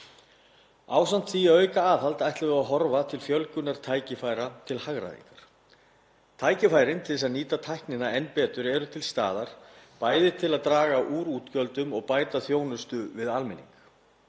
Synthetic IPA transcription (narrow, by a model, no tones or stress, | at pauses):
a̰ːwsant̪θiːaœːɥkaaːθalt̪ajht̪lɪvɪaɦɔɾvat̪ʰɪlfjœlcʏnaɾ̥t̪ʰaːjcɪfaːjɾat̪ʰɪlhaɣɾa̰ðḭŋkḁɾ̥ | t̪ʰaːjcɪfaːjɾɪnt̪ʰɪɛsaniːt̪at̪ʰajhknɪnaɛnːpɛːt̪ʏɾɛɾʏt̪ʰɪlst̪a̰ːðaɾ̥paːjðɪt̪ʰɪlaðt̪ɾaːɣaʔuːɾuːt̪cœlt̪ʏmɔɣpaːjt̪aθjoːwnʏst̪ʏvɪðalmɪnḭŋk